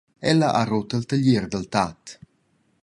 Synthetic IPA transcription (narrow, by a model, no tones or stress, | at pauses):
ɛləʔa̰rot̪əlt̪əʎerd̪əlt̪at̪